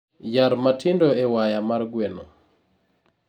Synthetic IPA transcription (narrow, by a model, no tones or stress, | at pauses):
jaɾmatʰɪndoewajamarɡweno